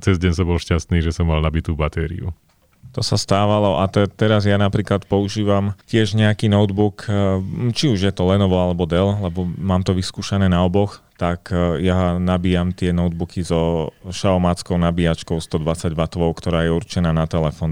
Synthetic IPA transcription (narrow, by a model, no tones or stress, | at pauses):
t͡sɛzɟɛɲs̬ɔbɔlʃcast̪niːʒɛsɔmːalnabit̪uːbat̪ɛːɾḭṵ | t̪ɔsast̪aːʋalɔʔat̪ɛt̪ɛɾazjanapɾiːklat̪pɔuʒiːʋamcɪɛʒɲɛakiːnɔʊd̪buk | t͡ʃiuʒjɛt̪ɔlɛnɔʋɔalɛbɔd̪ɛllɛbɔmaːmt̪ɔʋiskuːʃanɛːnaɔbɔxt̪akjanabiːjamt̪ɪɛnɔʊd̪̚bukizɔʃaɔmat͡skɔʊnabiat͡ʃkɔʊst̪ɔd̪ʋat͡saɟ̪ʋat̪ʋɔʊkt̪ɔɾaːjɛuɾt͡ʃɛnaːnat̪ɛlɛfɔn